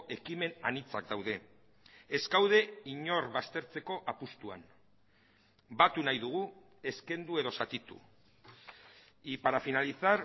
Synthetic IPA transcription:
ʔe̞kime̞nanit͡sakd̪awðe̞ː | skawð̞e̞iɲo̞ɾβast̪e̞ɾt͡se̞ko̞ʔapust̪ua̰n | bat̪unajðuɣ̞u | e̞ske̞nd̪ue̞ðo̞sat̪it̪ṵ | ipaɾafinalisaɾ

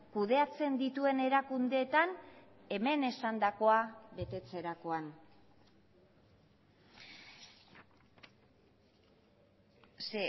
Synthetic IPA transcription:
kuð̞e̞at͡se̞nd̪it̪ue̞ne̞ɾakund̪e̞ːt̪an | e̞me̞ne̞sand̪ako̞aβe̞t̪e̞t͡se̞ɾako̞an | se

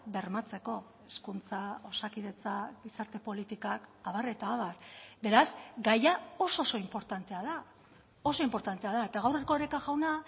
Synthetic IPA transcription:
be̞ɾmat͡se̞ko̞ | eskunt͡sao̞sakiðe̞t͡saɡisaɾt̪e̞po̞lit̪ikakaβare̞t̪aːβarbe̞ɾazɡajao̞soso̞impo̞ɾt̪ant̪e̞aða | o̞so̞impo̞ɾt̪ant̪e̞aðae̞t̪aɣawreko̞eɾekaʝawna

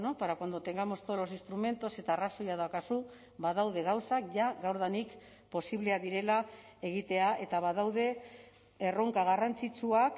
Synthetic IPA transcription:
nopaɾakand̪ot̪e̞ŋɡamo̞st̪oolosinst̪ɾume̞nt̪o̞se̞t̪aːraso̞jaðakasu | baðawð̞e̞ɣ̞awsakʝaɣawɾð̞anik | po̞siβleaðiɾe̞lae̞ɣ̞it̪e̞aʔe̞t̪aβað̞awðe̞ | e̞ro̞ŋkaɣarant͡sit͡suak

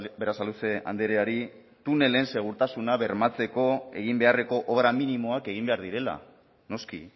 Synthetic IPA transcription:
beɾasalut͡sea̰nd̪eɾeaɾi | t̪une̞le̞nse̞ɣ̞uɾt̪asunaβe̞ɾmat͡se̞ko̞e̞ɣ̞imbe̞are̞ko̞ʔoβɾaminimo̞ake̞ɣ̞imbe̞aɾðiɾe̞la̰ | no̞skḭ

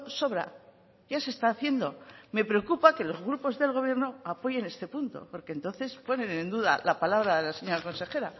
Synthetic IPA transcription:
so̞βɾa | ʝase̞st̪aːθje̞nd̪o̞me̞pɾe̞o̞kupake̞lo̞zɣɾupo̞zðe̞lɣ̞o̞βje̞ɾno̞apo̞ʝe̞ne̞st̪e̞punt̪o̞̰po̞ɾke̞nt̪o̞nθe̞spo̞nẽ̞nẽ̞nd̪uða̰lapalaβɾaðelase̞ɲoɾako̞nse̞xe̞ɾa

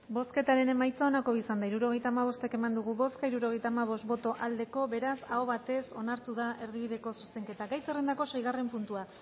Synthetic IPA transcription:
bo̞ske̞t̪aɾe̞ne̞majt͡sao̞nako̞βisand̪aiɾuɾo̞ɣe̞jt̪aːmaβ̞o̞st̪e̞ke̞mand̪uɣ̞uβo̞skaiɾuɾo̞ɣ̞e̞jt̪aːmaβ̞o̞st̪bo̞t̪o̞ʔald̪e̞ko̞βe̞ɾasaoβat̪e̞so̞naɾt̪uðaʔe̞ɾðiβ̞iðe̞ko̞suse̞ŋke̞t̪aɡajt͡serend̪ako̞se̞jɣare̞mpunt̪ua

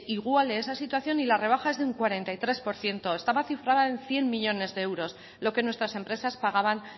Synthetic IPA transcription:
iɣwaleesasit̪waθjo̞nilare̞β̞axae̞zðeuŋkwaɾe̞nt̪ajt̪ɾe̞spo̞ɾθje̞nt̪o̞est̪aβaθifɾaðae̞nθje̞mmiʎo̞ne̞zðeewɾo̞s | lo̞ke̞nwe̞st̪ɾase̞mpɾe̞saspaɣ̞aβan

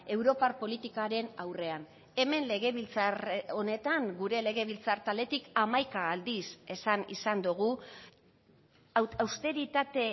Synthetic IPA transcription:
e̞wɾo̞parpo̞lit̪ikaɾe̞nawre̞an | e̞me̞nle̞ɣe̞βilt͡saro̞ne̞t̪aŋɡuɾe̞le̞ɣ̞e̞β̞ilt͡saɾt̪ale̞t̪ikamajkaːld̪ise̞sanḭsand̪uɣ̞u | awst̪e̞ɾit̪at̪e̞

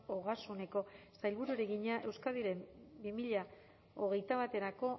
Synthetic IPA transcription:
oɣasune̞ko̞sajlβuɾueɾeɣiɲaʔe̞wskaðiɾe̞mbimiʎa | oɣ̞e̞jt̪aβat̪e̞ɾako̞

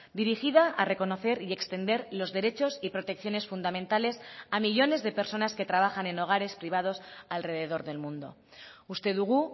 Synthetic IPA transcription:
d̪iɾixið̞aare̞ko̞no̞θe̞ɾie̞kst̪e̞nd̪e̞ɾlo̞zðe̞ɾe̞t͡ʃo̞sipɾo̞t̪e̞kθjo̞ne̞sfund̪amẽnt̪ale̞samiʎo̞ne̞zðe̞pe̞ɾso̞naske̞t̪ɾaβ̞axane̞no̞ɣ̞aɾe̞spɾiβ̞að̞o̞salre̞ðe̞ð̞o̞ɾðe̞lmũnd̪o̞̰ | ust̪e̞ðuɣ̞u

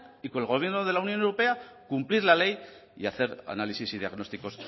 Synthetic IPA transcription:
iko̞nelɣo̞βje̞ɾnoð̞e̞launjo̞newɾo̞pe̞a | kumpliɾlale̞j | ḭaθe̞ɾa̰nalisisið̞ja̰ɣno̞st̪iko̞s

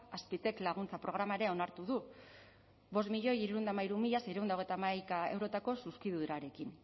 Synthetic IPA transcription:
aspit̪e̞klaɣ̞unt͡sapɾo̞ɣ̞ɾamaeɾe̞o̞naɾt̪uðu | βo̞st̪miʎo̞jiɾuɾund̪amaiɾumiʎasejɾuund̪aoɣe̞jt̪amajkae̞̰wɾo̞t̪ako̞suskiðuðuɾaɾe̞kin

